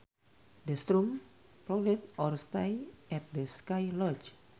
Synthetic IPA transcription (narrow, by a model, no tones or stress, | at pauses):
dəst̪ɾum | pɾɔɡlɛt̪̚ɔrst̪ajʔɛt̪̚dəskajlɔt͡ʃ